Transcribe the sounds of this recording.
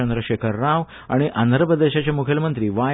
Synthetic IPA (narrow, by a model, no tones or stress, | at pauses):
ənd̪ɾəɕekʰəɾːaʋ | a̰ɽ̃iʔand̪ɾəpɾəd̪eɕat͡ɕjamukʰelmənt̪ɾiːʋa